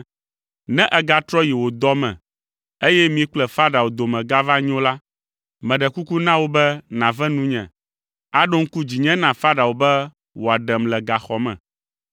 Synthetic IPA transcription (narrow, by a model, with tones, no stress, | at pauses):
nɛ̃˦ʔɛ˨ɡa˨t̪ɾɔ˦ji˨wo˨d̪ɔ˦mɛ̰̃˨ | e˦jɛ˦mĩ˦k͡plɛ˨fa˦ɖa˨wo˨d̪o˨mɛ̃˨ɡa˦va˦ɲ˦õ˦la˦ | mɛ̃˨ɖɛ˨ku˦ku˦nã˦wo˦bɛ˦nã˨vɛ̃˦nũ˦ɲɛ̰̃˨ | a˦ɖo˦ŋ̩˦ku˦d͡ʑi˨ɲɛ̃˦nã˨fa˦ɖa˨wo˨bɛ˦ | wo˨a˨ɖɛ˨mlɛ˨ɡa˨xɔ˨mɛ̰̃˨